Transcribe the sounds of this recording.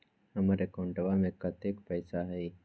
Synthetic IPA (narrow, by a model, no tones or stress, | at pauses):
ɦəmaɾekõɳʈəʋamẽkɐt̪eːkpəjsaɦəi